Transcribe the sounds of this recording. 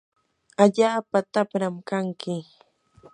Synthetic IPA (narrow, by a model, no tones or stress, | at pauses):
aʎaːpat̪apɾamkaŋkɪ